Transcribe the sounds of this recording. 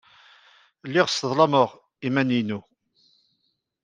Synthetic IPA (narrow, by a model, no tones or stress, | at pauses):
lːiʁsəðˤlˤɑməʁ | imæninu